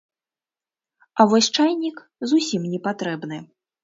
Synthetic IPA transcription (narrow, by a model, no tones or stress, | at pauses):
avɔsʲt͡ʂajnʲik | zusʲimnʲɛpat̪ɾɛbn̪ɨ